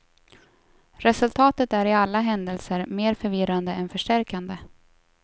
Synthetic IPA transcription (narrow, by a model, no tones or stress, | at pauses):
ɾɛsɵlt̪ʰɑːt̪ət̪æɾɪalːaɦɛnd̪əlsəɾmeːɾfœɾvɪɾand̪əɛnfœʂʈæɾkand̪ə